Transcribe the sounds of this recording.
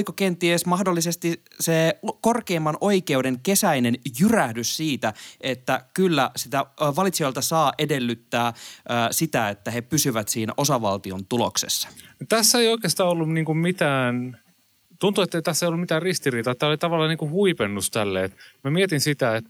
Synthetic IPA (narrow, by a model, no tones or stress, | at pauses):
ikokent̪iesmɑhdolːisest̪i | sekorkeːmːɑnʔo̞ike̞udeŋke̞sæinenjyræhdyssiːt̪æe̞t̪ːækylːæsit̪æʋɑlit̪siojlt̪ɑsɑːʔe̞delːyt̪ːæːsit̪æet̪ːæhepysyʋæt̪siːno̞sɑʋɑ̰lt̪iont̪ulo̰ksḛsːɑ̥not̪æsːeioikeːst̪ɑːolːumniːŋkummit̪æːn | t̪unt̪uet̪ːeit̪æsːæeijolːumit̪æːrrist̪iriːt̪ɑet̪ːæːolit̪ɑʋɑlːɑːniŋkuhuipenːust̪ælːeet̪mæmiet̪insit̪æet̪